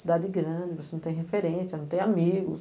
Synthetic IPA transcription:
sid̪ad͡ʒɪɡɾɐ̃d͡ʒɪvosenɐ̃t̪ẽj̃hẽfeɾẽsjɐnɐ̃w̃t̪ẽj̃amiɡʊs

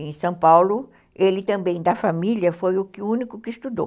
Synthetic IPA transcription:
ẽj̃sɐ̃w̃pawlʊ | elɪt̪ɐ̃mbẽj̃d̪ɐfamiljɐfojʊkɪũnikʊkɪist̪ud̪o̰

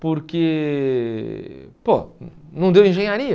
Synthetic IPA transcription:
poɾke | ponɐ̃d̪ewẽʒẽɲaɾiɐ

